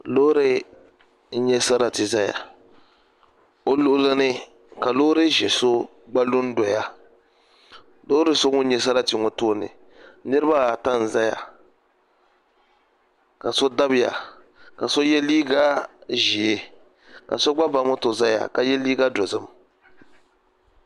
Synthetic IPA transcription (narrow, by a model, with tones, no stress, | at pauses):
lo˦ɾɪ˦ | ɲɛ˦sa˦ɾa˨tɪ˨za˦ja̰˨ | o˦lʊ˦ʔʊ˦lɨ˦nɨ˦ | ka˨lo˦ɾɨ˦ʒɛ˨so˦ | ɡ͡ba˦lʊ˦n˦do˨ja˦ | lo˦ɾɨ˦so˦ŋʊ˦ɲɛ˦sa˦ɾa˦˨ti˨ŋɔ˨toː˦˨nɨ̰˨ | nɨ˦ɾɨ˦ba˦˨ta˦n̩˨za˦ja̰˨ | ka˨so˦da˦bɪ˦ja̰˨ | ka˨so˦jɛ˦liː˦ɡa˦ʒi˨e˦ | ka̰˨so˦ɡ͡ba˦ba˦mʊ˦to˨za˦ja̰˨ka˨jɛ˦liː˦ɡa˦do˨zɨ˦m